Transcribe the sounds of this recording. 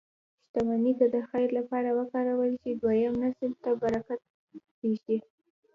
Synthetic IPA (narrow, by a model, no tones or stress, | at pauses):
ʃt̪amanit̪ad̪əxajɾlapɑɾawəkɑɾawəlt͡ʃed̪wajamnasəlt̪abaɾakat̪̚ | beʒd̪i